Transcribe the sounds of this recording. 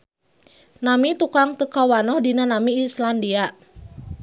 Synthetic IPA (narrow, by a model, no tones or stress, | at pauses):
namit̪ukaŋt̪əkawanɔhdinanamiːslandia